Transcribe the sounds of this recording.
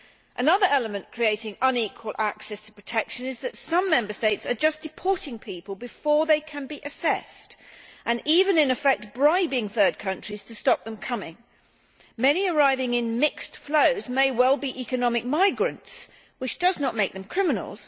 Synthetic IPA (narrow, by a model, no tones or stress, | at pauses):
ʔɨnʌðə˞ɛlˠəmɨ̃nkʰɹ̥ieɪɾɪ̃ŋʌ̃nikʰwəlˠʔæksɛstʰə̥pʰɹ̥ətʰɛkʃɨ̃nɨzðɨtsʌ̃mːɛ̃mbə˞steɪtsə˞d͡ʒʌsd̥ɨpʰɔɹɾɪ̃ŋpʰipəlˠbɨfɔɹðeɪkʰɨ̃nbiʔɨsɛstʔɨ̃nivɨ̃nɨ̃nɨfɛk̚t̚b̥ɹaɪbɪ̃ŋθɜ˞d̚kʰʌ̃nt͡ʃɹ̥iz̥tʰɨstɑp̚ðə̃mkʰʌmɪ̰̃ŋ | mɛniə˞aɪvɪ̃ŋɪ̃nmɪkstfloʊzmeɪwɛlˠbiʔikɨnɑmɨk̚maɪɡɹɨ̃nts | wɨt͡ʃd̥ʌznət̚meɪk̚ðɨ̃mkʰɹ̥ɪmɨn̰l̩ˠz̥